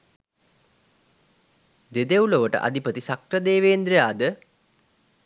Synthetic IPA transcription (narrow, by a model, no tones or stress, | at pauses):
d̪ed̪euloʋəʈə̰ʔa̰d̪ipət̪isakrəd̪eːʋeːnd̪ɾejaːd̪ə